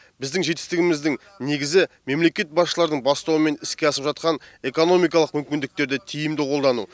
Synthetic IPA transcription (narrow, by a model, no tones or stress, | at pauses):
bɪzd̪ɪŋʒe̞t̪ɪ̥st̪ɪɡʲɪmɪzd̪ɪŋ | ne̞ɡʲɪzɪ | me̞mle̞kʲe̞t̪̚bɑsʃəlˠɑɾd̪əɴbɑst̪ɑwəme̞nɪskʲe̞ɑsəpʒɑt̪qɑne̞ko̞no̞mijkɑlˠəqmʏmkʲɪnd̪ɪk̚t̪e̞ɾd̪ɪt̪ʰijɪmd̪ɪqʰo̞lˠd̪ɑnṵ